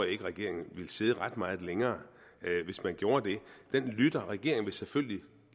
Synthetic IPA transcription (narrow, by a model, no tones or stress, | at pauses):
je̝ɡ̥əʁɛɡ̥e̝ɐ̰e̝ŋn̩ʋe̝lseːð̞ˠəʁɑ̈d̥mɑ̈ːð̞̩ˠleŋɐː | ʋe̝smænɡ̥jo̝ːɐd̥e̝d̥enlyd̥ɐʁɛɡ̥e̝ɐ̰eŋn̩ʋe̝seføl̰li